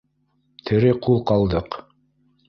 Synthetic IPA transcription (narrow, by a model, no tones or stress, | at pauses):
t̪ʰɘ̆ɾɘqulˠqɑlˠd̪ɤq